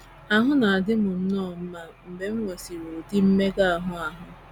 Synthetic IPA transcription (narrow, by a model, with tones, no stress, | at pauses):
a˦ɦʊ˦na˨a˨dɪ˦mʊ˨m̩˦nɔː˦˨m̩˦ma˦m̩˨be˦m̩˦ŋe˨si˨ɾo˨di˦m̩˦me˦ɡa˦a˨ɦʊ˦a˨ɦʊ˨